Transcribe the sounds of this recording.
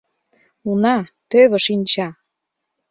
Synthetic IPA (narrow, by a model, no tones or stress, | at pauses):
unɑt̪øβə̆ʃinʲt͡ɕɑ